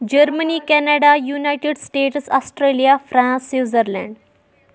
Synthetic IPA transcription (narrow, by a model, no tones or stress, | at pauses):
d͡ʑəɾməniːkɛnaɽajunajʈeɖsʈeʈsɔsʈɾelijafɾãnsːiʋzəɾlã̰ɳɖ